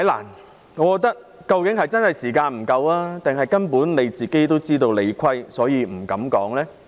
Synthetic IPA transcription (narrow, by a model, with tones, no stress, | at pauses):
hɐ˨˥jla̰ː˨˩n | ŋɔː˨˧˥kɔː˧k̚t̪ːɐ˥k̚ | kɐ˧wkɪ˨˥ŋhɐ˨jt͡sɐ˥nhɐ˨jsiː˨˩kaː˧nm̩˨˩kɐ˧waː˥t̪ɪ˨ŋɦɐ˨jkɐ˥npuː˨˥nne˨˧jt͡siː˨ke˥jt̪o˥wt͡siː˥t̪o˧wle˨˧jkʷʰɐ˥jsɔː˨˥jiː˨˧m̩˨˩kɐ˨˥mkɔː˨˥ŋlɛː˥